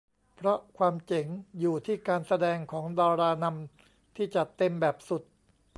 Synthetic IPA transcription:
pʰɾɔ˦˥kʰwaː˧mt͡ɕe˨˩˦ŋjuː˨˩t̪ʰiː˥˩kaː˧nsa˧dɛː˧ŋkʰɔː˩˦ŋdaː˧ɾaː˧na˧m | t̪ʰiː˥˩t͡ɕa˨˩t̪e˧mbɛː˨˩p̚su˨˩t̪̚

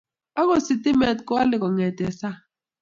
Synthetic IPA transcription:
a˦ko˨si˨ti˦mɛ˨t̚ka˦lɪ˨kɔ˨ŋɛ˨dɛ˨sa˦

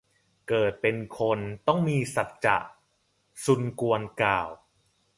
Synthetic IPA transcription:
kɤː˨˩t̪̚pe˧nkʰo˧nt̪ɔ˥˩ŋmiː˧sa˨˩t̪̚t͡ɕa̰˨˩ʔ | su˧nku˧ənkaː˨˩w

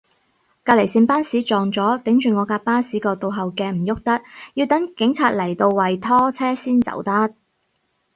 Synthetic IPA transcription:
kaː˧le˨˩jsiː˧npaː˥nsiː˨˥t͡ʃɔː˨˩ŋt͡sɔː˨˥t̪ɪ˨˥ŋt͡ʃyː˨ŋɔː˨˧kaː˧paː˥siː˨˥kɔː˧t̪o˧wɦɐ˨wkɛː˧m̩˨˩jʊ˥k̚t̪ɐ˥t̚ji˧wt̪ɐ˨˥ŋkɪ˨˥ŋt͡sʰaː˧t̚lɐ˨˩jt̪o˧wwɐ˨jt̪ʰɔː˥t͡sʰɛː˥siː˥nt͡sɐ̰˨˩wt̪ɐ˥t̚

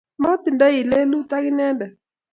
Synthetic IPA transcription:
mɔ˦t̪ɪ˨nda˦ɪ˨lɛ˦lu˦t̪a˦kɪ˦nɛ˦ndɛ˨

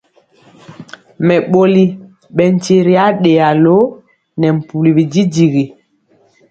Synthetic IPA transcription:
mɛ˨ɓo˦li˦ | ɓɛ˨n˨t͡ʃe˦ɾi˦a˦ɗe˨a˨lo˦ | nɛ˨m̩˨pu˨li˨bi˨d͡ʒi˦di˨ɣi˨

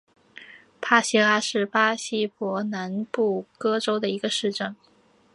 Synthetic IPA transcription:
pʰa˥ɕi˥la˥ʂɻ̩˥˩pa˥ɕi˥pwɔ˧˥na˧˥npu˥˩kɤ˥ʈ͡ʂo˥ʊd̪ə˨i˧˥ɡə˧ʂɻ̩˥˧ʈ͡ʂə˥˩ŋ

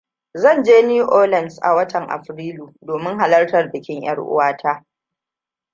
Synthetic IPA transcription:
zɐ˦˨nd͡ʒeː˦niː˦ʔoː˦lɐ˨nsʔa̰˨wɐ˦tʰɐ˨ŋʔa̰˨ɸɾiː˦luː˨doː˨mɪ˦ŋɦa˨lɐ˦rtɐ˨rbɪ˨kʲɪ˦ŋj̰ɐ̰˦ɽʔʊ̰˦waː˦tʰaː˦

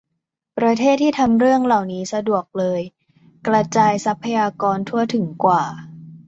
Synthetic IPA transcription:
pɾa˧t̪ʰeː˥˩t̪ʰːiː˥˩t̪ʰa˧mɾɯ˥˩əŋla˨˩wniː˦˥sa˧du˨˩ək̚lɤː˧j | kɾa˧t͡ɕaː˧jsa˦˥pʰːa˧jaː˧kɔː˧nt̪ʰu˥˩ət̪ʰɯ˩˦ŋkwaː˨˩

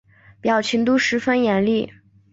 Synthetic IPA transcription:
pjɑ˨˩ʊt͡ɕʰi˧˥ŋt̪u˥ʂɻ̩˧˥fə˥njɛ˧˥nli˥˩

